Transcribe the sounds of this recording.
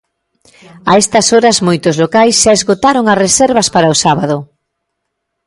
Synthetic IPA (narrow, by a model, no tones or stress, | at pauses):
ɐɛst̪ɐsoɾɐzmojt̪ʊzlokajsʃaezɣot̪aɾoŋɐsresɛɾβɐspaɾɐʊsaβaðʊ